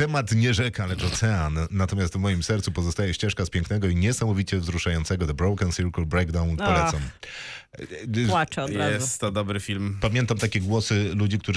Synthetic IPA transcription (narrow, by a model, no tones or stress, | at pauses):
t̪ɛmat̪ɲɛʐɛkalɛt͡ʂɔt̪sɛanːat̪ɔmʲjast̪vmɔjimsɛɾt̪supɔzɔst̪ajɛɕt͡ɕɛʂkaspʲjɛ̃ŋknɛɡɔiɲɛsamɔvʲit͡ɕɛvzɾuʂajɔnt̪sɛɡɔd̪ɔbɾɔwkansʲiɾkulbɾɛɡd̪awnpɔlɛt̪sɔm | wat͡ʂɛɔd̪aɛst̪t̪ːɔd̪ɔbɾɘfʲilmpamʲjɛnt̪amt̪akʲɛɡwɔsɘlud͡ʑikt̪uʐ